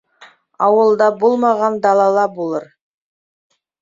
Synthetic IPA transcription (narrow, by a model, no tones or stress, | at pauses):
ɑwəlˠd̪ɑbolˠmɑʁɑnd̪ɑlˠɑlˠɑbolˠəɾ